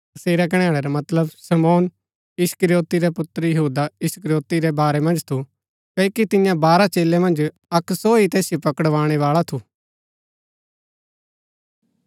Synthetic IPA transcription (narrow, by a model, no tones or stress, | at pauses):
ɐseːɾak̬ɐɽ̃aːɭɛɾamɐt̪ləbsɐmɔːn | jɪskɾijoːt̪iɾɛpʊt̪ɾəjɐɦuːd̪aɪskəɾjoːt̪iɾɛbaːɾɛmɐ̃nd͡ʒt̪ʰu | kɐikit̪ɪjãbaːɾat͡ʃeːlːemɐ̃nd͡ʒ | ɐksɔːit̪ɛːsjopɐkəɽʋaːɽ̃ɛʋaːɭat̪ʰuː